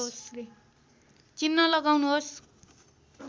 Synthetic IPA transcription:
ɦosle | t͡sinːʌlʌɡawnuɦos

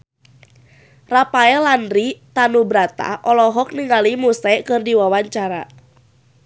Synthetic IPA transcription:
rapaɛlandɾit̪anubɾat̪a̰ʔɔlɔɦɔk̚niŋalimusɛkɨrdiwawaɲt͡ʃaɾa̰

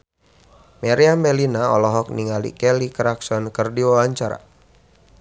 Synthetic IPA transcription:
meɾiambɛlinaɔlɔɦɔk̚niŋalḭkɛlikɾaksɔnkərdiwawaɲt͡ʃaɾa̰

